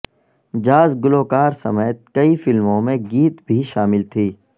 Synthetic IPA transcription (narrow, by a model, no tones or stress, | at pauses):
d͡ʒaːzɡʊloːkaːɾsɐ̰meːt̪̚kɐifɪlmõmẽɡiːt̪bʱiʃaːmɪlt̪ʰiː